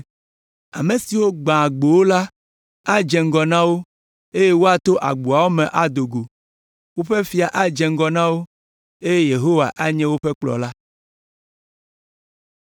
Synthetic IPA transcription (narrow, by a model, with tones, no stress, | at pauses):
a̰˨mẽ˨si˨wo˦ɡ͡bã˨ɡ͡bo˨wo˦la˦ | a˦d͡ʒɛ̃˨ŋ̩˦ɡɔ˨nã˦wo˦ | e˦je˦wo˦a˨t̪o˦ʔa̰˨ɡ͡bu˨a˨wo˦mɛ̃˨ʔa˨d̪o˨ɡo˨ | wo˦ɸɛ˦fi˨a˨ʔa˦d͡ʒɛ̃˨ŋ̩˦ɡɔ˨nã˦wo˦ | e˦je˦je˨ɦo˦wa˨ʔa˦ɲɛ̃˦wo˦ɸɛ˦k͡plɔ̰˨la˦